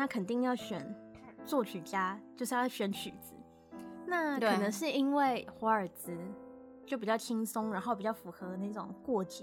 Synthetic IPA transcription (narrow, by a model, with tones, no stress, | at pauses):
a˦˥kʰə˨˩nt̪i˥˧ŋjɑ˥˩ʊɕɥɛ˨˩˦nt͡swɔ˥˩t͡ɕʰy˨˩t͡ɕja˥t͡ɕjo˥˧ʂjɕɥɛ˧˥nt͡ɕʰy˨˩t͡sɹ̩˧˦ | na˥˩kʰə˨˩nə˧˦ŋʂɻ̩˥˩i˥nwe˥˩ɪxwa˧˥ə˞˨˩t͡sɹ̩˧˥ | t͡ɕjo˥˩ʊp̬i˨˩t͡ɕjɑ˥˩t̪ʰi˥ŋsʊ˥ŋɻa˧˥nxo˥˩ʊpi˨˩t͡ɕjɑ˥˩ʊfu˧˥xɤ˧˦na˥˩ɪʈ͡ʂʊ̰˨˩ŋkwɔ˥˩t͡ɕɛ˨˦